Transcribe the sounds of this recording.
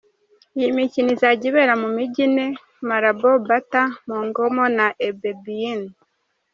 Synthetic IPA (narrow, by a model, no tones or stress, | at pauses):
ijimicinizaɟiβeɾamumiɟine | maɾabobatamuːŋɡomonaʔebebiin